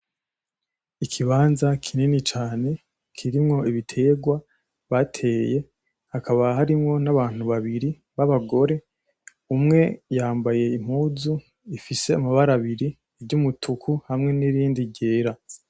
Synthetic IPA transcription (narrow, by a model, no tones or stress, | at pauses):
ikʰiβaːnzakʰininit͡ʃaːne̞ | kʰiɾimŋo̞iβitʰe̞ːɡwa | βatʰe̞ːje̞ | hakaβahaɾimŋo̞naβaːn̥uβaβiɾi | βaβaɡo̞ɾe̞ | umŋe̞jaːmbaje̞im̥huːzu | ifise̞amaβaɾaβiɾi | eβɟumutʰukʰuhamŋe̞niɾiːndiɟe̞ːɾa